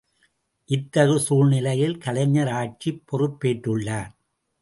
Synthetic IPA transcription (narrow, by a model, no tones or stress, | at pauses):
ʔɪt̪ːɐɣɯsuːɾnɪlɐjɪlkɐlɐɲːɐɾaːt͡ʃːipːɔrɯpːeːʈːɯɭːaːɾ